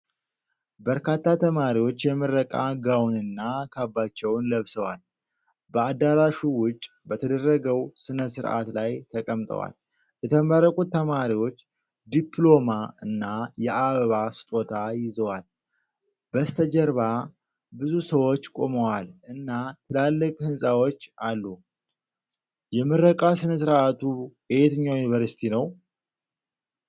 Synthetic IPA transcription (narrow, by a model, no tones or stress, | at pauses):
bəɾkat̪ʰːat̪ʰəmaɾiwo̞t͡ʃːjɛmɨɾːəkʼaɡawnɨnːakʰabːat͡ʃːɛwnləβsəwal | bəad̪aɾaʃuwʊt͡ʃʼː | bət̪ʰəd̪ərːəɡəwsɨnəsɨɾʔa̰t̪lajt̪ʰəkʼəmt̪ʼə̰wa̰l | jɛt̪ʰəməɾəkʼut̪ʰːəmaɾiwo̞t͡ʃː | d̪iplo̞maɨnːajɛʔaβəβasɨ̥t̪ʼo̞t̪ʰajɪzəwal | bəst̪ʰəd͡ʒəɾβa | bɨzusəwo̞t͡ʃːkʼo̞̰məwalʔɨnːat̪ʰɨlalːəkʼhɨnsʼawo̞t͡ʃːalːu | jɛmːɨɾːəkʼasɨnəs̬ɨɾʔat̪ʰujehet̪ɨɲːajunivəɾsi̥t̪ʰinəw